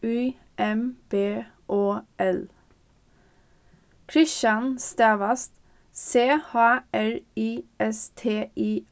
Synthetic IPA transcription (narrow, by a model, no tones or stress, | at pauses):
ʉː | ʔɛmb̥eː | ʔoːʔɛl | kʰɾɪʃɑnst̪æːʋɑst̪ | seːhɑːæɹiːɛst̪ʰeːʔiː